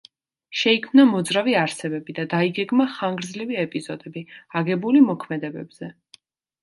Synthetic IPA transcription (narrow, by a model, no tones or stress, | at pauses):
ʃɛikʰmnamɔd̪zɾaviaɾsɛbɛbid̪ad̪aiɡɛɡmaχaŋɡɾdzliviɛpʼizɔd̪ɛbiaɡɛbulimɔkʰmɛd̪ɛbɛbz̥ɛ